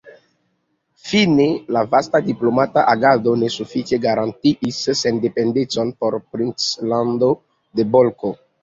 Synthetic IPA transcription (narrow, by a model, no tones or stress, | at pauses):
finelavastadiplomataʔaɡado̞ne̞sufit͡ʃe̞ɡaɾantiʔisːendependet͡so̞npo̞ɾpɾint͡slando | de̞bolko